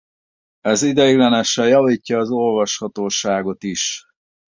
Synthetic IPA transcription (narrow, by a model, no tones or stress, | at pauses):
ɛzid̪ɛiɡlɛnɛʃɛjɒviːcːɒːzo̞lvɒʃhɒt̪oːʃaːɡo̞t̪iʃ